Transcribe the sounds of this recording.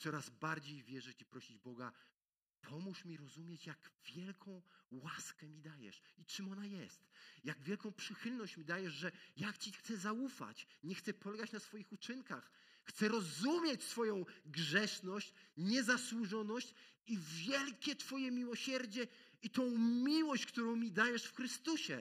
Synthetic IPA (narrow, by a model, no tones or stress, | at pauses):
t̪sɔɾazbaɾd͡ʑejvʲjɛʐɘt͡ɕipɾɔɕid͡ʑbɔɡa̰ | pʰɔmuʂmʲiɾɔzumʲjet͡ɕjaɡ̥vʲjɛlkʰɔ̃w̃waskɛmʲid̪ajɛ̰ʂit͡ʂɨmɔnajɛst̪jaɡvʲjɛlkɔ̃w̃pʂɘxɘlnɔɕt͡ɕmʲid̪ajɛʐʐɛjakt͡ɕixt̪sɛzaufa̰t͡ɕɲɛxt̪sɛpɔlɛɡat͡ɕnasfɔjixut͡ʂɘŋka̰x | xt̪sɛɾɔzumʲjet͡ɕsfɔjɔ̃w̃ɡʐɛʂnɔɕt͡ɕɲɛzaswuʐɔnɔɕt͡ɕ | ivʲjɛlkʲɛt̪fɔjɛmʲiwɔɕɛɾd͡ʑɛ | it̪ɔ̃w̃mʲiwɔɕt͡ɕkt̪uɾɔ̃w̃mʲid̪ajɛʂfxɾɘst̪uɕɛ̰